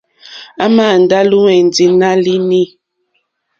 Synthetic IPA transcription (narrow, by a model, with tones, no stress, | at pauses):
a˦maː˦˨n̩˨da˦lu˦wɛ˨n˨d͡zi˨na˦li˦ni˦˨